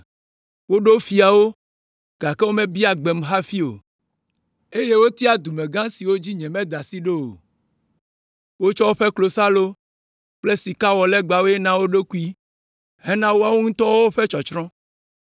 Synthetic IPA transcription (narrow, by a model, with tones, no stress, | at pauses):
wo˦ɖo˦fi˨a˨wo˦ | ɡ̥a˨ke˦wo˦mẽ˦bi˦a˨ɡ͡be˨m˨ɦa˦fi˦o̰˨ | e˦je˦wo˦t̪i˦a˨d̪u˨mẽ˨ɡã˦si˨wo˦d͡ʑi˦ɲɛ̃˨mɛ̃˦d̪a˨si˦ɖe˦o̰˨ | wo˦t͡ʃɔ˦wo˦ɸe˦klo˨sa˦lo˦ | k͡ple˦si˨ka˦wɔ˨lɛ˦ɡ͡ba˨wo˦e˦nã˦wo˦ɖo˦ku˦i˦ | hɛ˦nã˦wo˦a˦wo˦ŋ̩̃˦t̪ɔ˦wo˦wo˦ɸe˦t͡ʃɔ˨t͡ʃɾɔ̃˦